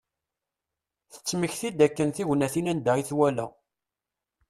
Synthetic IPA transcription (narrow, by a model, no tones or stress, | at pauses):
θə̥t͡sːməçθid̪ækːənθiʝnæθinænd̪əʁiθwælæ̰